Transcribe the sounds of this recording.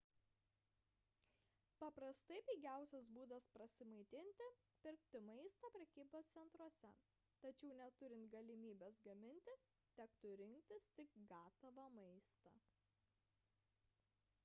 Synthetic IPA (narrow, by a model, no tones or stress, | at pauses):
pɐpɾɐst̪ɐɪpʲiːɡʲæˑʊsʲɛsbuːd̪ɐspɾɐsʲɪmɐɪt̪ʲɪnʲt̪ʲɪ | pʲɪɾkt̪ʲɪmɐɪst̪ɑːpʲɾʲɛkʲiːboːst̪sʲɛnt̪ɾuɔsʲɛ | t̪ɐt͡ʃʲɛʊnʲɛt̪ʊɾʲɪnt̪ɡɐlʲɪmʲiːbʲeːsɡɐmʲɪnʲt̪ʲɪ | t̪ʲækt̪ʊɾʲɪŋkt̪ʲɪst̪ʲɪkɡɑːt̪ɐʋɐmɐɪst̪ɑ